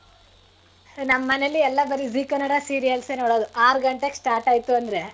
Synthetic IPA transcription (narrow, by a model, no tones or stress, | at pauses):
nɐmːɐːɐnelːiɛlːɐbɐɾiziːkɐnɐɽasiːɾijɐlseːnoːɽoːd̪uaːɾɡɐɳʈeksʈaːɾʈaːjt̪uɐnd̪ɾe̞